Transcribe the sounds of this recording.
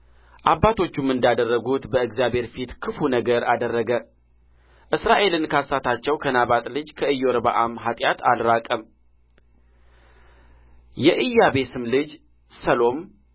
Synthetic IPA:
ʔabːat̪ʰo̞t͡ʃːumɨnd̪ad̪ərːəɡut̪bəɨɡzjabʱhe̞ɾfit̪kʰɨfunəɡəɾad̪ərːəɡə | ʔɨsɾaʔe̞lɨnkʰasat̪ʰat͡ʃːɛwkʰənaβat̪ʼlɨd͡ʒkʰəɨjo̞ɾba̰ʔamɦat̪ʼjat̪ʰa̰lɾakʼəm | jɛʔɨjːabe̞sɨmlɨd͡ʒ | səlo̞m

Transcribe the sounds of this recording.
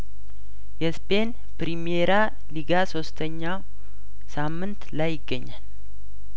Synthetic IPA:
jɛspʰe̞n | pɾimieɾa | liɡaso̞st̪ʰəɲːaw | samːɨnt̪lajːɪɡːəɲːal

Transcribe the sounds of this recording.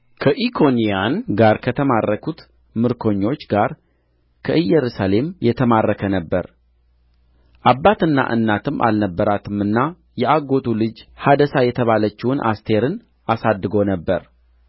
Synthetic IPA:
kʰəʔikʰo̞nijanɡaɾkʰət̪ʰəmarːəkut̪ | mɨɾkʰo̞ɲːo̞t͡ʃːɡaɾ | kʰəʔɨjːɛɾusale̞mjɛt̪ʰəmarːəkʰənəbːəɾ | ʔabːat̪ɨnːa̰ʔɨ̰nːat̪ʰɨmʔa̰lnəbːəɾat̪ʰɨmɨnːa | jɛʔaɡo̞t̪ʰulɨd͡ʒhad̪əsajɛt̪ʰəβalət͡ʃːinʔa̰st̪ʰe̞ɾɨn | asad̪ːɨɡo̞nəbːəɾ

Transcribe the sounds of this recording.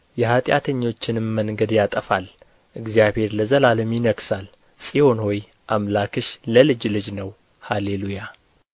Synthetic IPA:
jɛhat̪ʼja̰t̪ʰəɲːo̞t͡ʃːɪnɨmmːəŋɡəd̪jat̪ʼəfal | ʔɨɡzijaβhe̞ɾləzəlaləmjɪnəɡsal | sʼiho̞nhoj | ʔamlakɨʃləlɨd͡ʒlɨd͡ʒnəw | haleluja

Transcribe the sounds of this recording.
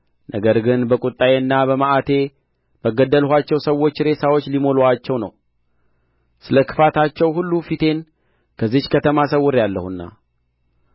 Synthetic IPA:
nʔəɡəɾɡɨnbəkʼut̪ʼːajeɨnːabəmaʔat̪ʰe̞ | b̥əɡəd̪ːəlhʷat͡ʃːɛwsəwːo̞t͡ʃːɾe̞sawot͡ʃːlimo̞loat͡ʃːɛwnə̰w | sɨləkʰɨ̥fat̪ʰat͡ʃːɛwhulːufit̪ʰe̞n | kʰəzːihkʰət̪ʰəmas̬əwːɨɾjalːəhunːa̰

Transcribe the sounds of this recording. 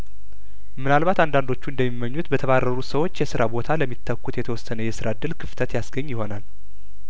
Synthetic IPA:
mɨnalβat̪and̪and̪o̞t͡ʃːund̪əmːimːəɲːut̪bət̪ʰəβarːəɾusəwot͡ʃːjɛsɨɾabo̞t̪ʰaləmːit̪ʰːəkːut̪jɛt̪ʰəwɔsənəjɛsɨɾad̪ɨlkʰɨft̪ʰət̪jasɡəɲːjɪho̞nal

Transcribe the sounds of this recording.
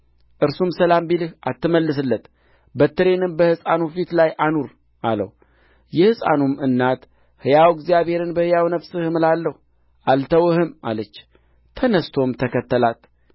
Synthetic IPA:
ʔɨɾsumsəlambilɨhʔat̪ːɨməlːɨs̬ɨlːət̪ | bət̪ːɨɾe̞nɨnbəhɨsʼanufit̪lajʔanuɾ | ʔa̰lə̰w | jɛhɨsʼa̰numɨnːat̪ | hɨjawɡzijaβhe̞ɾɨnbəhɨjawnəβsɨhɨmlalːəhu | ʔalt̪ʰəwɨhɨma̰lət͡ʃː | t̪ʰənəst̪ʰo̞mt̪ʰəkʰət̪ːəlat̪

